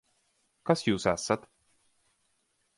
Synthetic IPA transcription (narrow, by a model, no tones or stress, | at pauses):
kasjuːsɛsːat̪